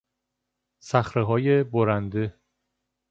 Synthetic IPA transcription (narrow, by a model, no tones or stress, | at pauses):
sæxɾeɦɒːjeboɾænd̪e